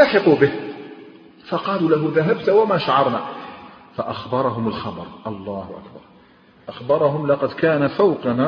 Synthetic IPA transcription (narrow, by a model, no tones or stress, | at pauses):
laħɪqubɪh | fɑqɑːluːlaɦʊðaɦab̚t̪wamaːʃaʕɑɾˤnaːfaʔaxbɑɾˤɑɦʊmalxɑbɑ̰ɾˤʔɑlˤːɑːhʊʔa̰kbɑɾˤ | ʔaxbɑɾˤɑɦʊmlɑqɑd̪kaːnafawqɑnaː